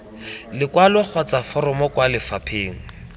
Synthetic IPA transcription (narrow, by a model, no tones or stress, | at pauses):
lɪkwalʊk͡xʰɔt͡safɔrɔmɔkwalɪfapʰeːŋ̩